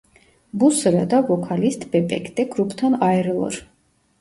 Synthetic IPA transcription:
busɾad̪avɔkʰalist̪ʼbɛpʼɛ̰kʰt̪ʼɛkʰɾupʰt̪ʰanaɛɾlˠɔ̰ɾ

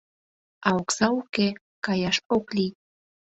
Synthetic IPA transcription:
ɑoksɑuke | kɑjɑʃoklij

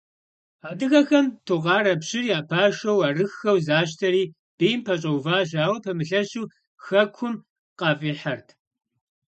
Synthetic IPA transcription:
aːdɨɣɐxɐmtʰuʁɑːɾɐpɕɪriːaːpʰaːʃɐwaːrɨxːɐwzaːʃ̬tʰɐɾiː | b̥eːjmpʰɐɕʼɐwvaːʒaːwɐpʰɐmɨɬɐɕuː | xɐkʷʰʊm | qɐfʼiːħɐrtʰ

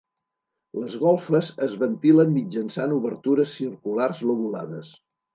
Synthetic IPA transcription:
ləzɣɔlˠfəzəzβənt̪iləmːid͡ʒənsanuβəɾt̪uɾəsːirkularzloβulaðəs

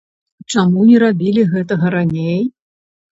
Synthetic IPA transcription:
t͡ʂamunʲɛɾabʲilʲiɣɛt̪ɐɣɐɾanʲej

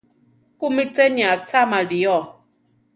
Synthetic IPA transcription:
kumit͡sɛniat͡samadijɔ

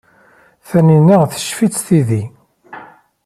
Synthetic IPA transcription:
θæninəʁθə̥ʃfit͡sːθiði

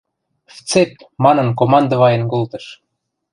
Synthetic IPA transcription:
ft͡sep̪̚ | mɑnɤ̆nkomɑnd̪ə̆βɑjĕnkolt̪ɤ̆ʃ

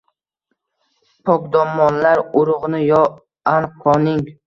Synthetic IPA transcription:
pʰɒkd̪ɒmːɒnlaɾʊɾʊʁnɪjɒ | anqʰɒnɪŋ

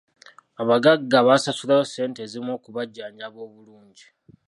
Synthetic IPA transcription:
aβaɡaɡːaβasasulajose̞ːnte̞zimo̞ːkuβaɟːaːɲaβo̞ːβuluːɲɟi

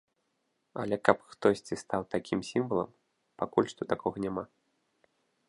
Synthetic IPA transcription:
ɐ̰lʲɛkɐpxt̪ɔsʲt͡sʲist̪awt̪akʲimsʲimvɐlˠɐ̰m | pakulʲʂt̪ɔt̪akɔɣɐnʲama

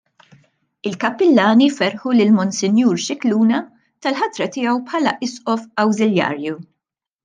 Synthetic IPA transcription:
ɪlkɐpːɪlːɐːnifɛɾħulɪlmɔnsɪnjuːɾʃɪkluːnɐ | t̪ɐlħɐt̪ɾɐt̪ɪːɐwpħɐlɐʔɪsʔɔfɐwzɪljɐ̰ːɾju

